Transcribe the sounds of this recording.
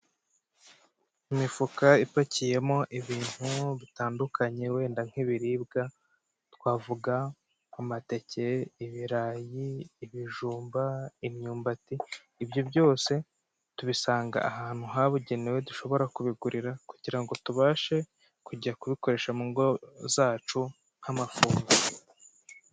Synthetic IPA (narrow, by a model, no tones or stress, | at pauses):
imifukaifacije̞mo̞ʔiβiːn̥huβitaːndukʰaɲe̞we̞ːndaŋ̥iβiɾiːbɡa | twaːvuɡaː | mate̞cʰeiβiɾaːjiːβiʒuːmbaimɲuːmbatiː | bjo̞bjo̞ːse̞ | tuβisaːŋɡa̰ʔaɦaːn̥huɦaβuɟe̞neweduʃo̞βo̞ɾakuβiɡuɾʔiɾakuɟiɾaŋɡo̞tuβaːʃe̞ | kuɟiɾakuβiko̞ɾe̞ːʃamuŋɡo̞zaːt͡ʃu | ŋ̥hamafuːŋɡa